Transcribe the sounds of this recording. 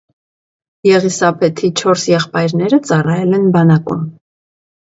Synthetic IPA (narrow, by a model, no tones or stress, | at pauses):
jɛʁisɑpʰɛt̪ʰit͡ʃʰɔɾsjɛχpɑjɾnɛɾət͡sɑrɑjɛlɛnbɑnɑkṵm